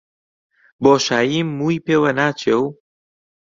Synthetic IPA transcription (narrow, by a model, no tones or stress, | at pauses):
boːʃaːjiːmːuːipeːwɐnaːt͡ʃʰew